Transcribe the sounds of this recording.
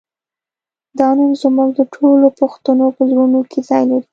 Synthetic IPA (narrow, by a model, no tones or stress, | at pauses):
d̪ɑnənzmuɡd̪əʈʰolopoxt̪anopəzɾunokʰezɑjlaɾi